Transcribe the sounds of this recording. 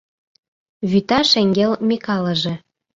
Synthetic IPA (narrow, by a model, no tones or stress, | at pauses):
βyt̪ɑʃɘ̆ŋɡʲelmʲekɑlɤ̆ʒĕ